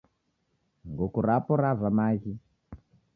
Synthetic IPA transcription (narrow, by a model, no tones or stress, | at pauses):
ŋɡokuɾapɔɾavamaːɣi